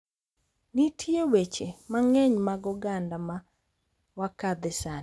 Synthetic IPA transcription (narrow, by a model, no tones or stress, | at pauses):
nitʰjewet͡ʃemaŋɛɲmaɡɔɡandama | wakad̪ɪsan